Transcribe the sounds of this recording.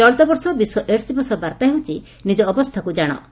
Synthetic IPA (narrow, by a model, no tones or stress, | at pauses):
ɔɭt̪ɔbɔɾsɔbisɔʔeɾsibɔsɔbaɾt̪aɦewt͡ʃi | nid͡ʒɔːbɔst̪ʰakud͡ʒaɽ̃ɔ̰